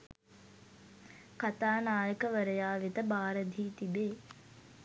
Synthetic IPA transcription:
kat̪aːnaːjəkəʋəɾəjaːʋit̪əbaːɾəd̪ʱiːt̪ibeː

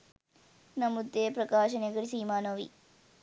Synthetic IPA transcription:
nɐmud̪ːeːpɾɐkaːʃɐneɡɐɭisiːmaːnoːʋḭ

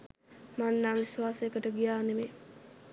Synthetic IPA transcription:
manːaːʋisʋaːsəjəkəʈəɡijaːneme

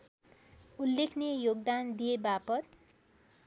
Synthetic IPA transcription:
ulːekʰnejoɡ̚d̪and̪ijebapʌt̪̚

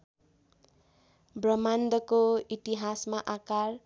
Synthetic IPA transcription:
brʌmand̪ʌkoit̪iɦasmaʔakar

